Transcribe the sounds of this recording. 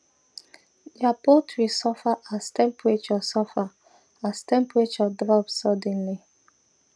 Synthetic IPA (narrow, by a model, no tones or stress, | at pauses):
japɔtʰwisɔfaʔastɛ̃mpʰwet͡ʃɔsɔfa | astɛ̃mpwet͡ʃɔdɾɔpsɔdɛ̃nli